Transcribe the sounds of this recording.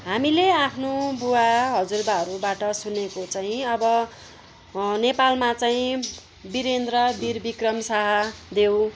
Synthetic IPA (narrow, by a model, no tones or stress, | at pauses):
ɦamileapʰnobuwaɦʌd͡zurd̪aɦʌɾubaʈʌsunekot͡saĩʌbʌ | nepalmat͡saĩ | biɾend̪rʌbirbikrʌmsaɦʌd̪ew̃